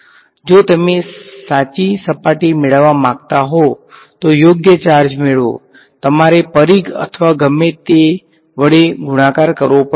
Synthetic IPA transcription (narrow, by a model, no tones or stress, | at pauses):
d͡ʒot̪əmesat͡ʃisəpaʈimeɭəʋamãɡt̪aɦo | t̪ojoɡjət͡ʃaɾd͡ʒmeɭo̰ | t̪əmaɾepəɾiɡə̰t̪ʰʋaɡəmet̪e | ʋəɽeɡʊɽ̃ãkaɾkəɾʋopə